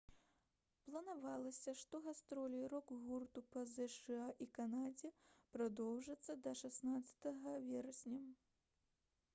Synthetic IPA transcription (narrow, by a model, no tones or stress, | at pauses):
plˠɐnavalˠɐsʲɐʂt̪ɔɣast̪ɾɔlʲiɾɔkɣurt̪upɐzɛʂɨaʔikanad͡zʲɛpɾad̪ɔwʐɨt̪sːɐd̪ɐʂasnat̪sɐ̥t̪ɐɣɐvʲɛɾɐsʲnʲɐ